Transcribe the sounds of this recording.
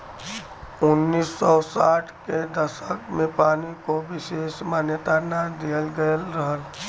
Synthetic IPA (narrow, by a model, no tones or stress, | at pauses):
ʊnːiːsːɔsaʈʰked̪əsəkmẽpaːnikobɪseːsmanjət̪aɾnad̪ijəlɡəlɾəɦəl